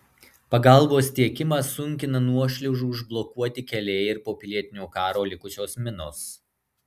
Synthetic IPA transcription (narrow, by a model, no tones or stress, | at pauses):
pɐɡɑˑlˠboːst̪ʲiɛkʲɪmɐsʊŋʲkʲɪnɐnuɔʃʲlʲɛʊʒuːʊʒblˠɔkuɔt̪ʲɪkʲɛlʲeːjɪɾpoːpʲɪlʲiɛt̪ʲɪnʲoːkɑːɾoːlʲɪkʊt͡ʃʲoːsmʲɪno̰ːs